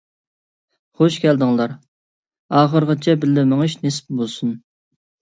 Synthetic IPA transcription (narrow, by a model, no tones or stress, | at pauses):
χoʃkʲɛld̪ɪŋlˠɑɾ | ɑːχəɾʁət͡ʃʰɛbɪlːɪmɪŋɨʃnesp̚bolˠsun